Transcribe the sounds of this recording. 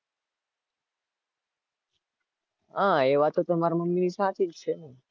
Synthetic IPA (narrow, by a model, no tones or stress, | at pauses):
ɦãeʋat̪ot̪əmaɾaməmːinisat̪ʰid͡ʒt͡ʃʰene